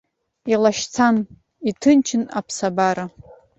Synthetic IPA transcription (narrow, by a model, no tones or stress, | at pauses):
ilaʃt͡sʰan | itʰɨnt͡ʃʰɪna̰pʰsabaɾa